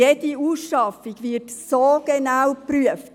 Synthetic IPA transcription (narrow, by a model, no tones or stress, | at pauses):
eːd̥iuːsʃɑfiɡvɪtsoːɡ̥enawpɾyəft